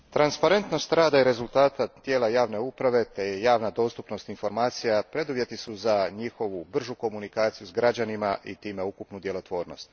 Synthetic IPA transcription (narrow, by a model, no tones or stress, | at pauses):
t̪ɾanspaɾe̞nt̪no̞st̪ɾaːd̪ajeɾe̞zulˠt̪aːt̪at̪je̞ːlajaːʋne̞upɾaʋe̞t̪e̞jejaːʋnad̪o̞st̪upno̞st̪info̞ɾmaːt̪sijapɾe̞d̪uʋje̞t̪isuzaɲixo̞ʋubr̩ʒuko̞munikaːt̪sijuzɡɾad͡ʑanimaʔit̪iːme̞ukupnud̪je̞lo̞t̪ʋo̞ːɾno̞̰st̪